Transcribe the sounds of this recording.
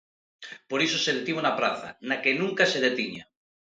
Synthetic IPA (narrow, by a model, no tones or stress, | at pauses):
poɾisoseðet̪iβonapɾaθa̰nakenũŋkaseð̞et̪iɲa̰